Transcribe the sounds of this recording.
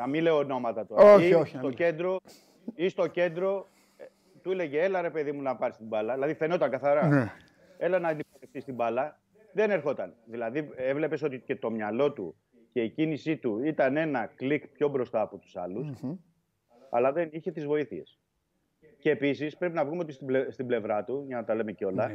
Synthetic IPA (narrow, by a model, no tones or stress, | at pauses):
ɐmileono̞mɐt̪ɐt̪uoioçst̪oce̞nd̪ɾo̞ | ist̪o̞ce̞nd̪ɾo̞ | t̪uile̞ʝeelɐɾe̞pe̞ðimunɐpɐɾist̪imbɐlɐðilɐðiθe̞no̞t̪ɐŋɡɐθɐɾɐn | e̞lɐnɐinipoleft̪ist̪imbɐlɐ | ðe̞ne̞ɾxo̞t̪ɐnðilɐðie̞vle̞pe̞so̞t̪ice̞t̪o̞mɲɐlo̞t̪u | ce̞icinisit̪uit̪ɐne̞nɐklikpço̞bɾo̞st̪ɐːpo̞t̪u̥sɐ̰lus | ɐ̰lɐðeniçe̞t̪izvo̞iθie̞̰s | ceːpisispɾe̞pinɐvɣumeot̪ist̪est̪ible̞vɾɐt̪uʝɐnɐt̪ɐle̞meceo̞lɐ